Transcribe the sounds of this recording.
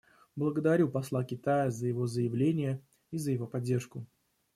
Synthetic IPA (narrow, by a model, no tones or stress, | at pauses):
blˠəɡəd̪ɐɾʲupɐslˠakʲɪt̪ajəzəjɪvo̞zəjɪvlʲenʲɪjə | izəjɪvo̞pɐdʲːe̞rʂkʊ